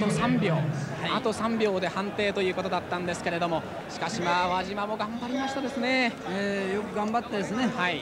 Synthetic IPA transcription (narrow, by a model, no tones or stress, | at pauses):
osãmbʲjo̞ːaat̪o̞sãmbʲjo̞ːd̪e̞hãnt̪e̞ːt̪o̞jɯ̟ːko̞t̪o̞d̪at̪ːãnd̪e̞sɨ̥ke̞ɾe̞d̪o̞mo̞ | ɕi̥kaɕimaβaʑimamo̞ɡãmbaɾʲimaɕi̥t̪ad̪e̞sɨne̞ | ejokɯ̟ɡãmbat̪ːed̪esɨne̞hai